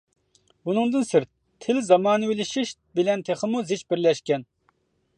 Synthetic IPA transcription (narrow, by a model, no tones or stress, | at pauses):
unɨŋd̪ɨnsɪɾt̪ʰːɪlzɑmɑːnɨwɪlɪʃiʃ | bɪlɛnt̪ʰeχəmuzɪt͡ʃbɪɾlɛʃkʲɛn